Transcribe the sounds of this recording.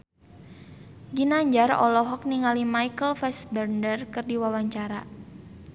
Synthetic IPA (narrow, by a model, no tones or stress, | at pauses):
ɡinaɲd͡ʒarɔ̰lɔɦɔk̚niŋalimaikəlfɛsbɛrndərkɨrdiwawaɲt͡ʃaɾa̰